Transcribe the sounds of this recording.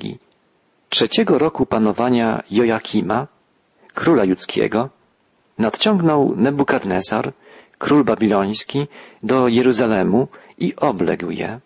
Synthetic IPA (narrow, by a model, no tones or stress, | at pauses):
ɡʲḭ | tʂɛt͡ɕɛɡɔɾɔkupanɔvaɲa̰jɔjakʲʰima | kɾulajut̪skʲɛ̰ɡɔ | nat̪t͡ɕɔŋɡnɔwnɛbukaɾnɛzaɾ | kɾulbabʲilɔj̃skʲid̪ɔjɛɾuzalɛmuiʔɔblɛ̰ɡwjɛ̰